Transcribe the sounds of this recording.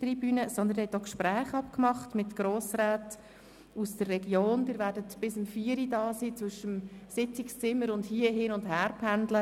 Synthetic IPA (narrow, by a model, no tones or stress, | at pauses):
tribyːnəsɔnd̪ənhɛtokʃpɾæːχɑpkmɑχtmɪtɡ̥roːsraːt | usd̥ərːɛɡjoːnd̥ɪːɾvæːɾdətb̥ɪsəmfiːəɾidɑːsiːt͡sʋʏʃəmsɪt͡sɪkst͡sɪmːəɾʊndhiːəɦiːnʊndɦæːɾpʰændlə